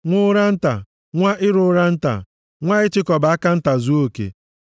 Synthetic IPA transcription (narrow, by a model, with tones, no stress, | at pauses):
ŋʷʊ˦ɾa˦n̩˦ta̰˨ | ŋʷa˦ʔɪ˦ɾʊ˦ɾa˦n̩˦ta̰˨ | ŋʷa˦ɪ˦t͡ʃɪ˦kɔ˨ba˨˦a˦ka˦n̩˦ta˨zu˦o˦˨kḛ˨